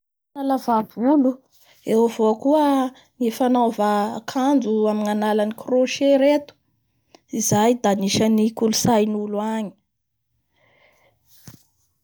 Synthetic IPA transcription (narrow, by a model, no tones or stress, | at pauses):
nalavabulu | ewavokuə | nefanavaːkʰand͡zuaminanalanikroʃeɾet̪u̥ | izajd̪aniʃanikulusajnuluaɲi̥